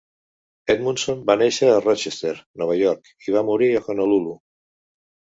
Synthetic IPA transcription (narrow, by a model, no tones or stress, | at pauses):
ɛt̪munsombaneʃəːrɔt͡ʃest̪eɾnɔβ̞əʎɔɾk | iβ̞amuɾiəxonəlulu